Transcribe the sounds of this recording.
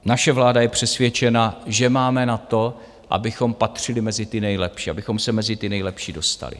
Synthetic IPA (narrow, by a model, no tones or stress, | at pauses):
naʃɛvlaːdajɛpr̝̥ɛsvjɛt͡ʃɛnaʒɛmaːmɛnat̪o̞ | ʔa̰bɪxo̞mpat̪r̝̥ɪlɪmɛzɪt̪ɪnɛjlɛpʃiːʔabɪxo̞msɛmɛzɪt̪ɪnɛjlɛpʃiːdo̞st̪a̰lɪ̰